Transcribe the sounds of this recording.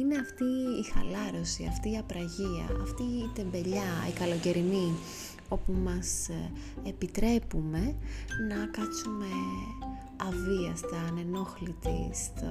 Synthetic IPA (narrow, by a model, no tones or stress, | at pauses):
ine̞ɐft̪iːxɐlɐɾo̞siɐft̪iːɐpɾɐʝiɐ̰ɐft̪iːt̪e̞mbe̞ʎɐḭkɐlo̞ce̞ɾini | o̞pumɐs | epit̪ɾe̞pume̞nɐkɐt͡sume̞ | ɐviɐst̪ɐːne̞no̞xlit̪ḭst̪